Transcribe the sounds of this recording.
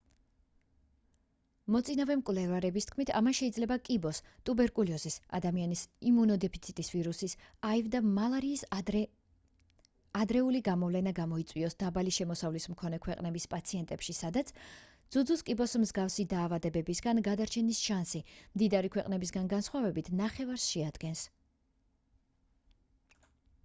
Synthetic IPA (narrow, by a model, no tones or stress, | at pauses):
mɔt̪sʼinavɛmkʼwvlɛvaɾɛbist̪ʰkʰmit̪ʰa̰manʃɛid̪zlɛbakʼibɔst̪ʼubɛɾkʼuliɔzisa̰d̪amianisimunɔd̪ɛpʰit̪sʰit̪ʼisviɾusisaivd̪amalˠaɾiː | ad̪ɾɛuliɡamɔvlɛnaɡamɔit̪sʼwiɔsd̪̥abaliʃɛmɔsavlismkʰɔnɛkʰwɛqʼnɛbispʼat̪sʰiɛnt̪ʼɛpʃisad̪at̪sʰd̪z̥ud̪zuskʼibɔsmzɡafsid̪aːvad̪ɛbɛbisɡanɡad̪aɾt͡ʃʰɛnisʃansimd̪id̪aɾikʰwɛqʼnɛbis̬ɡanɡansχwavɛbit̪ʰnaχɛvaɾsʃɛad̪̥ɡɛns